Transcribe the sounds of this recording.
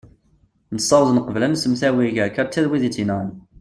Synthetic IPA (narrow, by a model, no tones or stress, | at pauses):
nəsˤːɑwzˤənqəvlænsəmθæwiʝəʕkːəɾt͡s̪ːæðwiðit͡sːinæn